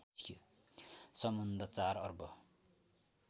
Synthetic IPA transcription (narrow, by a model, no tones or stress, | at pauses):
sʌmʌnd̪ʱʌt͡sarʌrbʌ